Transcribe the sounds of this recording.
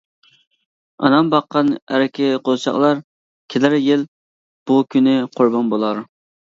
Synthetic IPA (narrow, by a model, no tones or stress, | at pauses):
ɑ̰nɑmbɑqːɑnæ̰ɾɪkʲʰɪqʰolˠt͡ʃʰɑ̰qlˠɑɾ | kʲʰelɪɾjɪl | b̥ukʲʰynɪqʰoɾbɑnbolˠɑɾ